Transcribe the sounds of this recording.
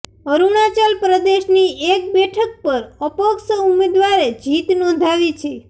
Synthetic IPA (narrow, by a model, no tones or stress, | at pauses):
əɾunat͡ʃalpɾəd̪eʃniek̚bɛʈʰək̚pəɾəpəksumed̪ʋaɾed͡ʒit̪nɔ̃d̪ʱaʋit͡ʃʰe